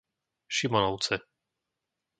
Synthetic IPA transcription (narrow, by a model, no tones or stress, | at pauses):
ʃimɔnɔʊt͡sɛ